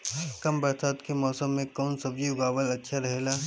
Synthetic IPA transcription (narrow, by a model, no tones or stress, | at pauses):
ɦkɐmbɐɾt̪aːt̪kemɔːsəmːẽkɔːnsɐbjiʊɡaːʋəlɐtːʃʰaɾɐɦelaː